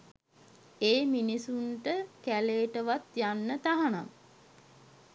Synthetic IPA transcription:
eːminisunʈəkæleːʈəʋat̪janːət̪aɦana̰ŋ

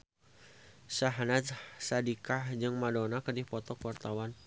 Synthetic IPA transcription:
saɦanat̪sadikahd͡ʒɨŋmadɔnakərdipɔt̪ɔkuwart̪awan

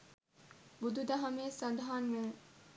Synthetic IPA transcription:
bud̪ud̪ɐɦɐmeːsad̪aɦanʋe

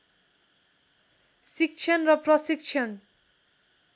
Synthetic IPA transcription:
sik̚t͡ʃʰʌnrʌprʌsik̚t͡ʃʰʌn

